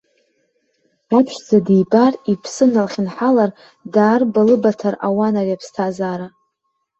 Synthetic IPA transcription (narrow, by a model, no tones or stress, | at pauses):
apʰʃʷd͡zadejbaripʰsɨnalχʲɪnħalar | daːrbalɨbatʰara̰wanariapʰstʰazaːɾa